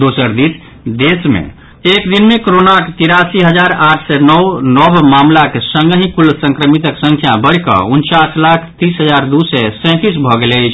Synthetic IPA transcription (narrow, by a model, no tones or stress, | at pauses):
d̪osəɾd̪is | d̪esmḛ̃ | ekd̪inmekoɾonaket̪iɾasiɦəd͡ʒaɾaʈʰsɛnɔnɔbmamlakesə̃ŋɡɦĩkulsə̃ŋkɾəmit̪əksə̃ŋkʰjabəɽ̤kə̰unt͡ʃaslakʰt̪isɦəd͡ʒaɾd̪usɛsɛ̃t̪isbʱɔɡelət͡ʃʰ